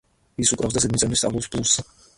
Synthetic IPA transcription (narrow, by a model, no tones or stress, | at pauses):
isukʼɾavsd̪as̬ɛd̪̚mit̪sʼɛmlist̪ʼa̰lˠuspʰʼlˠus